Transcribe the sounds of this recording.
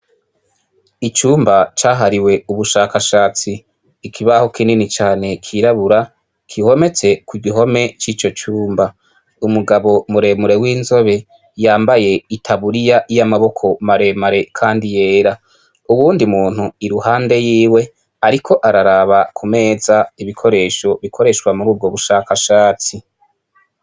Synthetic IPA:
it͡ʃuːmbat͡ʃaːɦaɾiwe̞uβuʃaːkaʃaːt͡siː | kʰiβaho̞kininit͡ʃaːne̞kʰiɾaβuɾa | kʰiho̞me̞t͡se̞kuɡiɦo̞me̞t͡ʃiːt͡ʃo̞t͡ʃuːmba | umuɡaβo̞muɾe̞muɾe̞wiːnzo̞βe̞ | jaːmbaje̞itʰaβuɾijaʔijamaβo̞kʰo̞maɾe̞maɾe̞kʰaːndije̞ːɾa | uβuːndimuːn̥huiɾuhaːnde̞jiːwe̞ | aɾikʰo̞ʔaɾaɾaβakʰume̞ːzaiβikʰo̞ɾe̞ːʃo̞βikʰo̞ɾe̞ʃkwamuɾuːb̚ɡo̞βuʃakaʃaːt͡si

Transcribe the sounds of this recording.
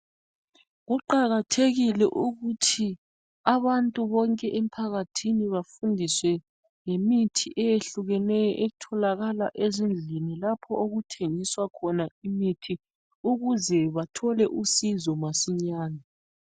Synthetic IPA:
ɣuǃaɣatʰeɣilɛʔuɣutʰi | aβantʼuβɔŋkʼɛʔem̩pʰaɣatʰiniβafundʱiswɛ | ŋemitʰiʔɛjeɬuɣɛnɛjɔ̰ʔeutʰɔlaɣalaʔezind͡ɮʱinilapʰɔoɣutʰeŋiswakʰɔnaimitʰi | uɣuzɛβatʰɔlɛʔusizɔmasiɲaːna

